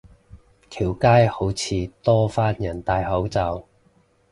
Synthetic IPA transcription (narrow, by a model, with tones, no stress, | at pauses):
t̪ʰiː˨˩wkaː˥jho˨˥wt͡sʰiː˨˧t̪ɔː˥faː˥njɐ˨˩nt̪aː˨˧jɦɐ˨˥wt͡sɐ˧w